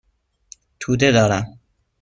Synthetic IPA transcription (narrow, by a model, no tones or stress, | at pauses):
t̪ʰuːd̪e̞d̪ɒːɾæm